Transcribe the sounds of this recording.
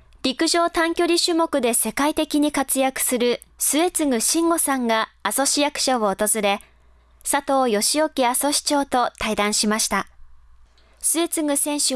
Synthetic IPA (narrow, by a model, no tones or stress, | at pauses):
ɾʲikɯ̟ʑo̞ːt̪ãŋkʲo̞ɾʲiɕɨmo̞kɯ̟d̪e̞se̞kait̪e̞kʲiɲ̟ikat͡sɨjakɯ̟̥sɨɾɯ̟ | sɨe̞t͡sɨŋɯ̟ɕĩŋɡo̞sãŋɡaːso̞ɕijakɯ̟̥ɕoβoːt̪o̞zɨɾe̞ | sat̪o̞ːjo̞ɕio̞kʲiaso̞ɕi̥t͡ɕo̞ːt̪o̞t̪aid̪ãɰ̃ɕimaɕi̥t̪a | sɨe̞t͡sɨŋɯ̟sẽɰ̃ɕɨ